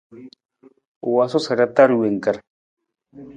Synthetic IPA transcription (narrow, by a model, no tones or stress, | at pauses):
uwasosaɾat̪aɾuweŋkaɾ